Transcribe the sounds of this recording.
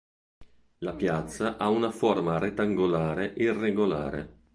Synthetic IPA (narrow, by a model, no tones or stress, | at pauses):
lapjat̪sːaʔaunaformaɾet̪ːaŋɡolaːɾeʔirːeɡola̰ːɾḛ